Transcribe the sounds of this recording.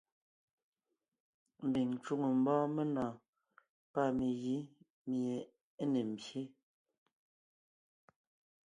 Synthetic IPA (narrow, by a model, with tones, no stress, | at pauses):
m̩˨bi˨ŋ˨t͡ʃu˦ŋə˨m̩˦bɔ̃ː˦me˦nɔ̃ː˨ | pa˦˨mi˨ɣi˨˦ | mje˨ | e˦ne˨m̩˨bje˦